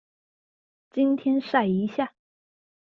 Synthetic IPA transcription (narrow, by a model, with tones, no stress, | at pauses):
t͡ɕi˥nt̪ʰjɛ˥nʂa˥˩ɪi˧˥ɕja˥˩